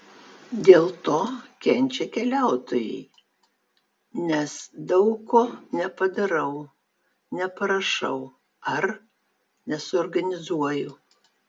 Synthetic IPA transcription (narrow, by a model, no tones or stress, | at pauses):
d̪ʲeːlˠt̪oːkʲɛnʲt͡ʃʲɛkʲɛlʲæˑʊt̪oːjɛ̰ɪ | nʲɛsd̪ɐʊkoːnʲɛpɐd̪ɐɾɐʊ | nʲɛpɐɾɐʃɐ̰ʊ | ɐɾ | nʲɛsʊɔːɾɡɐnʲɪzuɔjʊ